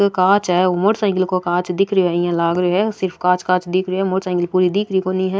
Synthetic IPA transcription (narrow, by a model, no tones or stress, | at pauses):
kãːt͡ʃɦɛomoʈsãːŋɡɪlkokãːt͡ʃd̪ɪkʰɾəoɦɛijãlaːɡɾɦɛsɪɾpʰkãːt͡ʃkãːt͡ʃd̪ɪkʰɾiɦɛmoʈsãːŋɡɪlpuːɾid̪ɪkʰɾikoːniɦɛ